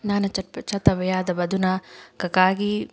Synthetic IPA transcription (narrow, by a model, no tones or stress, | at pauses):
naːnɐt͡ʃɐpɐt͡ʃɐt̪ɐʋɐjaːd̪ɐbɐd̪ʱunaːkɐkaːɡi